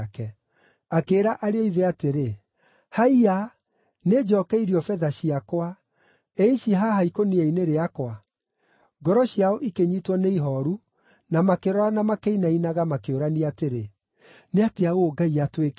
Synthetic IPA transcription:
kɛ | akeːɾaʔaɾeɔiðeateɾe | haia | ned͡ʒɔkɛiɾiɔfɛðaɕiakwa | eiʃiɦahaikoniaineɾeakwa | ɡɔɾɔɕiaoʔikeɲitwɔneiɦɔɾu | namakeɾɔɾanamakeinainaɣamakeoɾaniateɾe | neateaooɡaiatwek

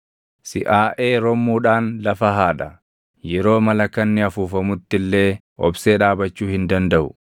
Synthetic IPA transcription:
sɪʔaːʔe̞ːɾɔmːuːᶑaːnlɐfɐɦaːᶑɐ | jɛɾo̞ːmɐlɐkːɐnːɪɐfuːfɐmʊt̪ːɪlːe̞ː | ʔɔ̰bse̞ːᶑaːbɐt͡ʃːuːhɪnd̪ɐnd̪ɐʔʊ̰

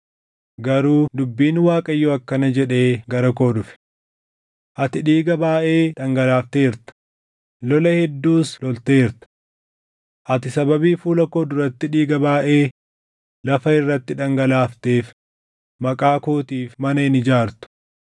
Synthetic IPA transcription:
ɡɐɾuːd̪ʊbːiːnwaːkʼɐjːɔɐkːɐnɐd͡ʒɛᶑe̞ːɡɐɾɐko̞ːd̪ʊfɛ̥ | ʔɐt̪ɪᶑiːɡɐbaːʔeːᶑɐŋɡɐlaːft̪eːɪɾt̪ʊ̥ | lɔlɐhɛd̪ːuːslɔlt̪eːɪɾt̪ʊ̥ | ʔɐt̪ɪsɐbɐbiːfuːlɐkoːd̪ʊɾɐt̪ːɪᶑiːɡɐbaːʔe̞ː | lɐfɐɪrːɐt̪ːɪᶑɐŋɡɐlaːft̪eːf | mɐkʼaːkoːt̪iːfmɐnɐɪnɪd͡ʒaːɾt̪ʊ̥

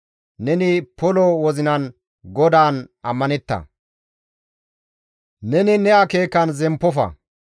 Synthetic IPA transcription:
nɛnɪpɔlɔwɔzɪnɐn | ɡɔd̪aːnʔɐmːɐnɛt̪ːɐ̰ | nɛnɪnɛɐke̞ːkːɐnzɛmpːɔfɐ̰

